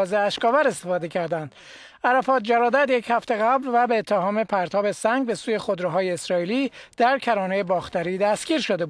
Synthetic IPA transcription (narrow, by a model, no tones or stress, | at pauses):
zeæʃkɒːvæɾe̞st̪efɒːd̪e̞cʰæɾd̪ænd̪̥ | æɾæfɒːt̪̚d͡ʒæɾɒːd̪æd̪je̞chæft̪e̞ɣæblvæbe̞ːt̪ʰːeɦɒːme̞pʰæɾt̪ʰɒːbe̞sæŋɡ̚be̞suːje̞xod̪ɾeɦɒːjeːsɾɒːiːliːd̪̥æɾkʰæɾɒːnejebɒːxt̪æɾiːd̪æst̪ɡ̥ʲiːɾʃod̪e̞bu